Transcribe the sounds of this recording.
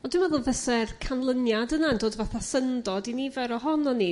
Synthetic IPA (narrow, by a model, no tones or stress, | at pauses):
ɔdɪmvɛðʊlˠvəsɛrkʰanlˠənjadənandoːdvaθasəndɔdinivɛɾɔɦɔnɔni